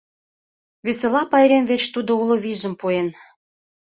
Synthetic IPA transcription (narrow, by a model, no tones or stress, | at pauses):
βeselɑpɑjɾemvet͡ɕt̪ud̪ouloβiʒə̆mpuen